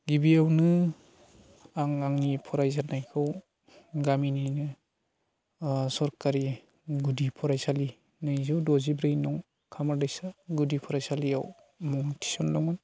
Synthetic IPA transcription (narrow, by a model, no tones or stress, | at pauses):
ɡibiawnɯ | aŋaŋnipʰɔɾajzanajkʰɯw | ɡaminijnɯ | sɔɾkaɾi | ɡudipʰɔɾajsali | nɯjzuwdɔzibɾɯjnɔŋ | kʰamaɾdajsaɡudipʰɔɾajsaliaw | mɔŋtʰi̥sɔndɔŋɔn